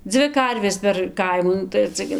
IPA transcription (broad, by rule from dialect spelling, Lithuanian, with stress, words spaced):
ˈd͡zʲʋʲɪ ˈkɐrʲʋʲeːs pʲɛr ˈkɐɪmuː ˈnʊ tɐɪ ɐr ˈt͡sʲɛ ɡʲɪ